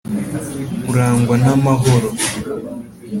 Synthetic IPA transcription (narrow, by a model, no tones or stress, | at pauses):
muɾaːŋɡwanamaɦoɾo